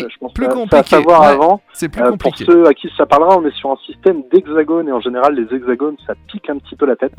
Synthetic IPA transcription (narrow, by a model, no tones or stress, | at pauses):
ʒə̥pɑ̃sasaːsavwaʁavɑ̃ | øpʰuʁsøakʲisapaʁləʁaɔ̃nɛsyʁɛ̃sist̪ɛmd̪ɛɡzaɡɔneɑ̃ʒeneʁalːezɛɡzaɡɔnsapikɛ̃pət̪ipølat̪ɛt̪